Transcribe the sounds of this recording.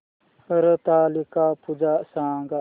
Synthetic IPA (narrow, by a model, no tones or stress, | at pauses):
həɾət̪aːlikapud͡ʒaʔsaːŋɡa